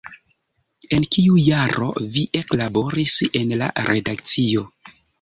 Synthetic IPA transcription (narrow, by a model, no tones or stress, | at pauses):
e̞nkiujaɾo̞̰viʔe̞klabo̞ɾise̞nla̰ɾʔe̞dak̚t͡sio̞